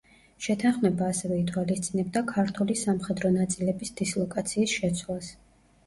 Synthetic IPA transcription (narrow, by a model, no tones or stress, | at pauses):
ʃɛt̪ʰanχmɛbaːsɛvɛit̪ʰwalist̪sʼinɛb̚d̪akʰaɾt̪ʰulisamχɛd̪ɾɔnat̪sʼilɛbisd̪̥islˠɔkʼat̪sʰiːsʃɛt̪sʰwlˠas